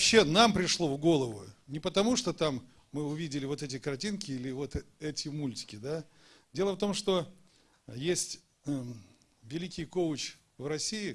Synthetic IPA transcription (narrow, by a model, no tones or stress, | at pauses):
ɕːenampɾʲɪʂlˠo̞vɡo̞lˠəvʊnʲɪpət̪ɐmuʂt̪o̞t̪amː | ɨʊvʲidʲɪlʲɪvo̞t̪ɛt̬ʲɪkɐrtʲinkʲɪilʲɪvo̞t̪ɛtʲɪmulʲtʲɪ̥kʲɪd̪a | dʲe̞lˠəft̪o̞mʂt̪o̞ | jesʲtʲ | vʲɪlʲikʲɪjkoʊt͡ɕ | vrɐsʲiɪ